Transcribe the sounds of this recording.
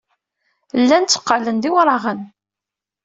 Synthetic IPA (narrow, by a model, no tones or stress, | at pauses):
lːænt͡sːə̥qːələnd̪iwɾˤɑʁən